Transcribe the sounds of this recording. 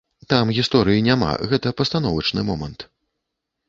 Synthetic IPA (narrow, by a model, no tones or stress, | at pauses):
t̪amɣʲist̪ɔɾɨjinʲama̰ɣɛt̪ɐpɐst̪anɔvɐt͡ʂnɨmɔmɐnt̪